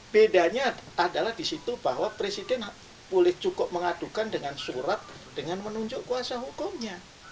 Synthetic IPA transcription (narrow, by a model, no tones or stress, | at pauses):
b̥edaɲaːdalahdisit̪ubaɦwapɾesidɛn | bolɛht͡ʃukʊp̚məŋadukandəŋansuɾat̪̚ | d̥əŋanmənuɲd͡ʒʊʔkuasaɦukʊmɲa